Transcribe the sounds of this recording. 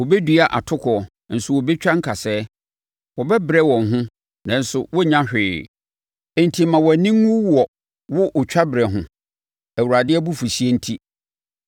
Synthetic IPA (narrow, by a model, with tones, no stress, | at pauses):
wɔ˨bɛ˦du˨a˨ʔa̰˨tʰʊ˦kʰɔ˨ɔ˨ | n̩˨sʊ˨wɔ˨bɛ˦t͡ɕᶣa˦ŋ̩˦kʰa˨sɛː˦ | wɔ˨bɛ˦bɪ˨ɾɛ˦wɔ̃˨ŋ̩˨ɦʊ̃˦ | nã˨n̩˦sʊ˨wɔ˦ɲã˦hᶣɪː˨ | ɛ̃˨n˨tʰi˨mã˨wɔ˨nĩ˦ŋ˦u˦wɔ˨ | wʊ˦ʔʊ˨t͡ɕᶣa˦bɪ˨ɾɛ˨ɦʊ̃˦ | æ˨wu˨ɾa˨dɪ˦ɛ˦bu˦fu˨si˦e˦n̩˦tʰi˦